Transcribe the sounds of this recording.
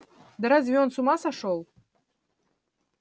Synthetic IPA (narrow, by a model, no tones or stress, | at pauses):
d̪əɾazvʲionsumɑsaʂolˠ